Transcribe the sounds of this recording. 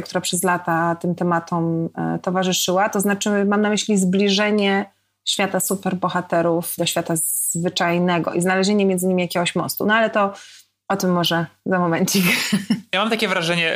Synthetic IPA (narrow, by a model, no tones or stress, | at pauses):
kt̪uɾapʂɛzlat̪at̪ɘmt̪ɛmat̪ɔmt̪ɔvaʐɘʂɘwat̪ɔznat͡ʂɘmamnamɘɕlʲizblʲiʐɛɲɛ | ɕfʲjat̪asupɛɾbɔxat̪ɛɾufd̪ɔɕfʲjat̪azzvɘt͡ʂajnɛɡɔ̰ʔiznalɛʑeɲɛmʲjɛnd̪zɨɲimʲijakʲɛɡɔɕmɔ̰st̪ṵnɔalɛt̪ɔ | ɔt̪ɘmːɔʐɛzamɔmɛɲt͡ɕikjamamt̪akʲɛvɾaʐɛɲɛ